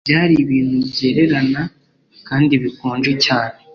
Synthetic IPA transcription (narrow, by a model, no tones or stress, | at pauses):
bɟaːɾiβiːnhubje̞ɾe̞ɾana | kaːndiβikoːnd͡ʒecaːne